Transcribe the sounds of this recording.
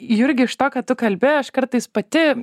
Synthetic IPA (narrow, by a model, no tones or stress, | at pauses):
jɪɾʲɡʲɪɪʃt̪oːkɐt̪t̪ʊkɐlʲbʲeːjɐʃkɐɾt̪ɐɪspɐt̪ʲɪ